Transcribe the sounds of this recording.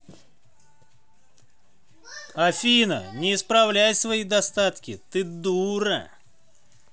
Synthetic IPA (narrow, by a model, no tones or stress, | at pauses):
ɐfʲinə̰nʲɪːspɾɐvlʲæjsvɐid̪ɐst̪at̪kʲɪt̪ɨd̪uɾə̰